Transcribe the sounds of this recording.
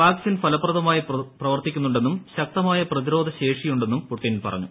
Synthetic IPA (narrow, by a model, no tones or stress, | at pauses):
paːkisinfɐlɐpːrɐðɐmaːjiprɐʋɐrt̪ikʲːun̪ːuɳɖe̞nːumɕɐk̚t̪ɐmaːjɐprɐðiɾo̞ːd̪ʱɐɕe̞ːʂijuɳɖe̞nːumpuʈːinilpɐ̰rɐ̰ɲːu